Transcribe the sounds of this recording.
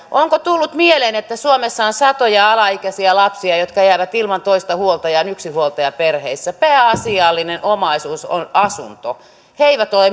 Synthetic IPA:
ʔoŋkot̪ulːut̪mieleːnet̪ːæsuomesːɑonsɑt̪ojɑɑlɑikæsiɑlɑpsiɑjot̪kɑjæːʋæt̪ilmɑnt̪oist̪ɑhuolt̪ɑjɑnyksihuolt̪ɑjɑperheisːæpæːɑsiɑlːinenʔomɑisuːso̰nɑsṵnt̪o̰ | heiʋæt̪ole

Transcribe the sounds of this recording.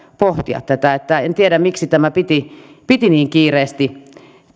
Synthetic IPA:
poht̪iɑ̰t̪t̪æt̪æet̪ːæent̪ieɾæmmiksit̪æmæpit̪ipit̪iniːŋkiːreːst̪i

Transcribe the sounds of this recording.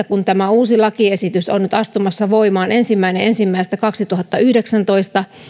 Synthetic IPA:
ækunt̪æmæuːsilɑkiesit̪yso̰nnyt̪ɑst̪umɑsːɑʋo̞imɑːnʔe̞nsimːæineʔensimːæist̪ækɑksit̪uɦɑt̪ːɑyhdeksænt̪o̞ist̪ɑ

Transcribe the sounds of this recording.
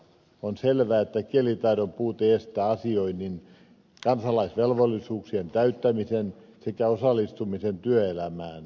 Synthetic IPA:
onselʋææːet̪ːækielit̪ɑiɾompuːt̪eest̪æːɑsioinːin | kɑnsɑlɑisʋelʋolːisuːksient̪æyt̪ːæmisen | sekæosɑlːˑist̪umisent̪yøelæmæːn

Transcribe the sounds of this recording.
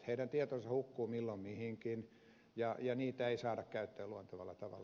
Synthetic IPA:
heidænt̪iet̪onsɑhukːuːmilːommihiŋkin | jɑjɑniːt̪æeisɑːɾɑkkæyt̪ːøːluont̪ɑʋɑ̰lːɑ̰t̪ɑʋɑ̰l

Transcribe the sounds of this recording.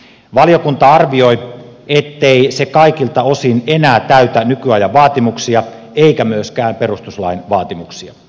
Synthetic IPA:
ʋɑlijokunt̪ɑɑrʋio̞jet̪ːeisekɑikilt̪ɑosinenæːt̪æyt̪ænykyɑjɑʋʋɑːt̪imuksiɑ | eikæmyøskæːmperust̪uslɑinʋɑːt̪imuksiɑ

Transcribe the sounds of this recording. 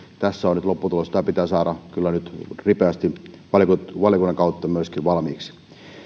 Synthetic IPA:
t̪æsːæonyt̪lopːut̪ulosit̪ɑpit̪æːsɑːɾɑkylːænyt̪ripeæst̪iʋɑlkuʋɑljokunːɑŋkɑut̪ːɑmyøskiʋʋɑlmiːksi̥

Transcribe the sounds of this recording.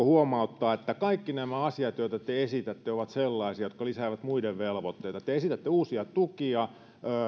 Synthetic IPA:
ohuomɑut̪ːɑːet̪ːækɑikːinæmæɑsiɑt̪joit̪æt̪eesit̪æt̪ːeoʋɑt̪selːɑisiɑjot̪kɑlisæːʋæt̪muideʋʋelʋot̪ːeit̪ɑt̪eesit̪æt̪ːeuːsiɑt̪ukiɑ | øː

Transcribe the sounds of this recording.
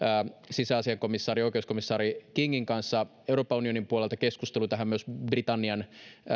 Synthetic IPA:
sisæɑsiɑko̞misːɑːɾiojkeusko̞misːɑːɾikiŋːiŋkɑnsːɑ | euɾoːpːɑunio̞nimpuolelt̪ɑkeskust̪elut̪æɦæmmyøsbrit̪ɑnːiɑn

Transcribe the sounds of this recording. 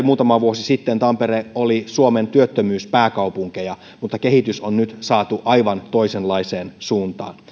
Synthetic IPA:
muːt̪ɑmɑʋuosisit̪ːent̪ɑmpereolisuoment̪yøt̪ːømyːspæːkɑupuŋkejɑ | mut̪ːɑkehit̪ysonnyt̪sɑːt̪uʔɑjʋɑnt̪oiselɑiseːnsuːnt̪ɑ̰ːn

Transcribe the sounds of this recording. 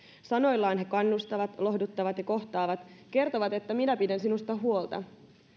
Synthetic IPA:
sɑno̞jlːɑːnhe̞kɑnːust̪ɑʋɑt̪lo̞ɦhdut̪ːɑʋɑt̪jɑko̞ht̪ɑːʋɑt̪ke̞rt̪oʋɑt̪e̞t̪ːæminæpidænsinust̪ɑɦuo̞lt̪ɑ̰

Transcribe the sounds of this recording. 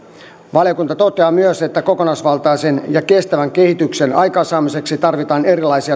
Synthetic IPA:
ʋɑlijokunt̪ɑt̪o̞t̪eɑːmyøset̪ːæko̞konɑsʋɑlt̪ɑise̞njɑke̞st̪æʋæŋke̞hit̪yksenɑ̰jkɑsɑːmise̞ksit̪ɑrʋit̪ɑːne̞ɾilɑjsiɑ

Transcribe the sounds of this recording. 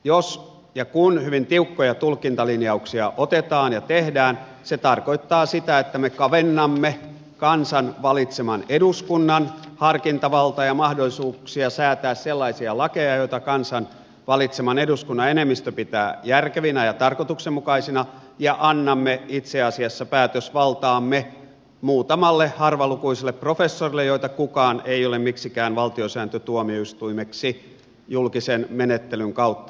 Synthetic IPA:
jos | jɑkunhyʋint̪iukːojɑt̪ulkint̪ɑlinjɑuksiɑʔot̪et̪ɑːnjɑt̪ehdæːn | set̪ɑrkoit̪ːɑːsit̪æet̪ːæmekɑʋenːɑmːe | kɑnsɑnʋɑlit̪semɑneduskunːɑnhɑrkint̪ɑʋɑlt̪ɑjɑmɑhdolisuːksiɑsæːt̪æːsselːɑisiɑlɑkejɑjoit̪ɑkɑnsɑn | ʋɑlit̪semɑneduskunːɑenemːist̪øpit̪æːjærkeʋinæjɑt̪ɑrkot̪uksemmukɑisinɑ | jɑʔɑnːɑmːeit̪seɑsiɑsːɑpæːt̪øsʋɑlt̪ɑːmːe | muːt̪ɑmɑlːehɑrʋɑlukuiselːˑepːrofesːorilːejoit̪ɑkukɑːneiolemmiksikæːnʋɑlt̪iosæːnt̪øt̪uomioyst̪uimeksi | julkisenmenet̪ːelyŋkɑut̪ːɑ

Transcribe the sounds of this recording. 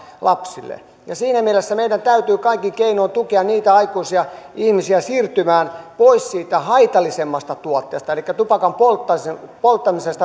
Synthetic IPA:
lɑpsilːḛ | jɑsiːnæmielesːæmeidænt̪æyt̪yːkɑikːikeinoːnt̪ukeɑnniːt̪æɑikuisiɑihmisiæsiːrt̪ymæːnpoissiːt̪æhɑit̪ɑlisemːɑst̪ɑt̪uot̪ːḛːst̪ɑelikːæt̪upɑkɑmpolt̪ːɑspolt̪ːɑmisest̪ɑ

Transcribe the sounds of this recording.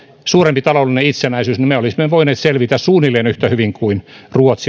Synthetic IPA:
suːrempit̪ɑloulːineit̪senæisyːsnimeolisimeʋoineːt̪selʋit̪æssuːnilːˑeːnyht̪æhyʋiŋkuinruot̪si

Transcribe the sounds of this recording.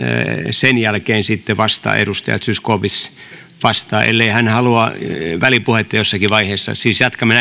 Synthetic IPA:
senjælkeːnsit̪ːeʋɑst̪ɑ̰ːḛɾust̪ɑ̰jɑ̰t̪syskoːpis | ʋɑst̪ɑːʔḛlːeihænhɑluɑʋælipuhet̪ːɑjosːɑkiʋɑiheːsːɑ̰siːsjɑt̪kɑmen

